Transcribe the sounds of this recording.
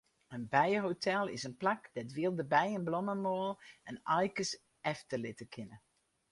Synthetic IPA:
ənbɛjɦotʰɛlˠɪ̰sənplakdɛtʋɪəlˠdəbɛjənblɔməmoːlˠɛnɑjkəs | ɛftəlɪtəkʰɪnə

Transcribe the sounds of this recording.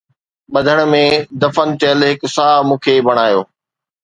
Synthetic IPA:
ɓɐd̪ʱəɽ̃̆mẽd̪ɐfənt̪eːəlɦɪk̆saːmũːkʰebɐɽ̃aːjoː

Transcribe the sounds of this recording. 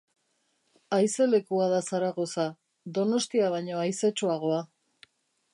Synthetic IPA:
ajse̞le̞kuaðasaɾaɣo̞sa | ðo̞no̞st̪iaβ̞aɲo̞ajse̞t͡ʃuaɣ̞o̞a

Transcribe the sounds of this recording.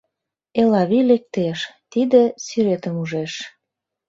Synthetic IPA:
elɑβilek̚t̪eʃt̪id̪ĕsyɾet̪ə̆muʒeʃ

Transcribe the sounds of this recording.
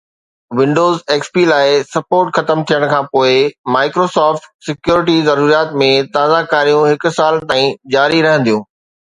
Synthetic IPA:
ʋɪ̃ɳɖoːzeːkspilaːɪsɐpoːɾʈxɐt̪əmt̪ʰijəɽ̃kʰãːpoːɪmaːɪkɾoːsɔːfʈsɪkjuːɾɪʈ̬izɐɾuːɾijaːt̪mẽt̪aːzakaːɾijũɦɪkʊ̆saːlt̪aːĩd͡ʑaːɾiɾɐɦə̃n̆d̪ijũː

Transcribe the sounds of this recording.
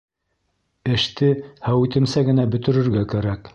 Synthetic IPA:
ɘ̆ʃt̪ɘhæwit̪ɘ̆msæɡɘ̆næbɵ̆t̪ɵ̆ɾɘ̆ɾɡækæɾæk

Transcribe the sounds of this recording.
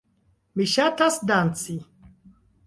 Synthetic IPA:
miʃatʰasd̪ant͡sʰʼi

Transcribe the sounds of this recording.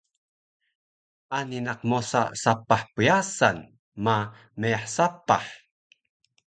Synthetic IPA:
ʔaninaq̚mosa̰sapaħpəjasan | ma | məjaħsapaħ

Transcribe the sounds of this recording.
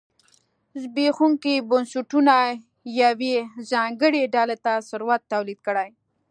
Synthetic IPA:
zbexuŋkibʊnsuʈuna | jawezɑŋɡəɽeɖɑlet̪asʊɾwat̪ːawlid̪̚kəɽaj

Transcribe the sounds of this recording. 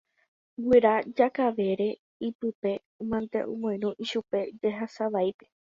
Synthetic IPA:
wiɾad͡ʒakaʋe̞ɾe̞ | ipɨpe̞ | mãnt̪ḛʔṵ̃mõj̃nũʔiʃupe̞d͡ʒeɦasaʋajpe̞̥

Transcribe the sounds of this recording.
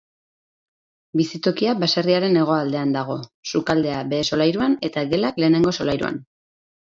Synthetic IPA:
bisit̪o̞kiabasariaɾe̞ne̞ɣ̞o̞ald̪e̞and̪aɣ̞o̞sukald̪e̞abe̞ːso̞lajɾuane̞t̪aɡe̞lakle̞ːne̞ŋɡo̞so̞lajɾṵa̰n

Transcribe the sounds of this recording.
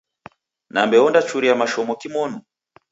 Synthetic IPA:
nambɛɔndat͡ʃuɾiamaʃɔmɔkimɔnu

